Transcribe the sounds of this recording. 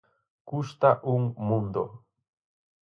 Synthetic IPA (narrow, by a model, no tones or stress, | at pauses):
kʊʃt̪aʔuŋmʊnd̪o